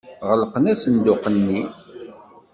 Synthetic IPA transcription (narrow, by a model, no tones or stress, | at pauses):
ʁələqənæsənd̪ʊqənːi